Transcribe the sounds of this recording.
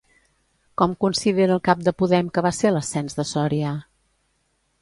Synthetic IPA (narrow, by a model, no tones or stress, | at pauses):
kɔmkunsiðeɾəːlˠkap̚d̪əpuðɛmkəβaseləsɛnzðəsɔɾiə